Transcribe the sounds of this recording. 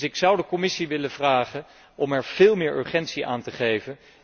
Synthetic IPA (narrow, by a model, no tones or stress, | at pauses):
ɪksʌwdəkɔmɪsiʋɪləv̥raːχən | ʔɔmɛɹv̥ɪːlˠmɪːɹʔø̰ɹχɛntsiʔa̰ːntəχejvən